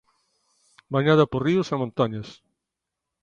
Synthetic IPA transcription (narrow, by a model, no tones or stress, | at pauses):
baɲaðɐporiusamõnt̪aɲɐs